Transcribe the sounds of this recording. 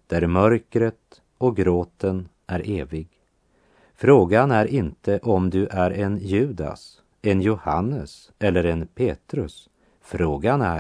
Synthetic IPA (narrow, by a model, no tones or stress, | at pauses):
d̪̥æɾmœɾkɾət̪ | ɔɡɾoːt̪ən | ʔæɾʔeːvɪɡ | fɾoːɡanæɾɪnt̪əʔɔmd̪ɵʔæɾɛnjʉ̟ːd̪a̰s | ɛnjʊhanːəs | ɛlːəɾɛnpʰeːt̪ɾɵs | fɾoːɡanæ